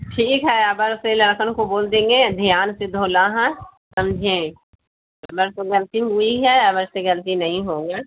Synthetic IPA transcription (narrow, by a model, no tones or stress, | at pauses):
ʈʰiːkɦɛɐbəɾselɐɾkənkoboːld̪ẽːŋɡed̪ʱijaːnsed̪ʱoːlaɦɛ̃sɐmd͡ʒʱẽ | ɐbəɾt̪oɡɐlt̪iɦʊiɦɛɐbəɾseɡɐlt̪inɐɦĩɦõːɡaː